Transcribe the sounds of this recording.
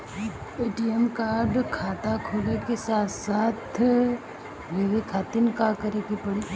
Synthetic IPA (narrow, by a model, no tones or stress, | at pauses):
eːʈiɛmkaːɾɖkʰaːt̪akʰoːlekesaːt̪ʰsaːt̪ʰ | ʋeːʋekʰaːt̪ɪnkakɐɾekepɐɽi